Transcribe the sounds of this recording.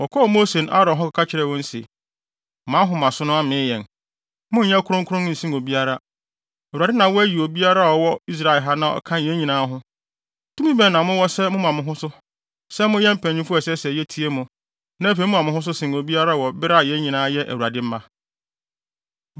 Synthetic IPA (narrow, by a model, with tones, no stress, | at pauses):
wɔ˨kʰɔ˦˨mo˦se˨na̰˦ɾɔ̃˨ɦɔ˦ka˨kʰa˦t͡ɕʰɪ˦ɾɛ˨wɔ̃˦n̩˦se˨ | mã˨˦ɦʊ̃˨mã˨sʊ̃˦nʊ̃˦a˦mɪ̃ː˨˦jɛ̃˨n | mʊ̃˦ɲã˦kʰʊ˦ɾʊ̃˦ŋkʰʊ˦ɾʊ̃˦n˦n̩˨sĩ˦no˨bi˦a˦ɾa˦ | æ˨u˨ɾa˨dɪ˦nã˨wɔ˦æ˦ji˨o˨bi˦a˦ɾa˦˨ɔ˨wɔ˦i˦s̬ɾa˨ɪ˨lɦa˦nã˨ɔ̰˨kʰã˦n˨jɛ̃˦ɲĩ˨nãː˦ɦʊ̃˦ | tʰũ˦mĩ˦bɛ̃˨nːã˨mʊ̃˦wɔ˦sɛ˦mʊ̃˦mã˨mʊ̃˨ɦʊ̃˦sʊ˦ | sɛ˦mʊ̃˦jɛ̃˦m̩˨pʰæ̃˨ɲĩ˦fu˦ɔ˨sɛ˦sɛ˨jɛ˦tʰi˦e˦mʊ̃˨ | nã˦fe˨˦mʊ̃˦ã˨mʊ̃˨˦hʊ̃˦s̬ʊ˦sɪ̃˨no˨bi˦a˦ɾa˦˨wɔ˨bɪ˦ɾa˦˨jɛ̃˦ɲĩ˨nãː˦jɛ˦ʔæ˨wu˨ɾa˨dɪ˦m̩˦mã˦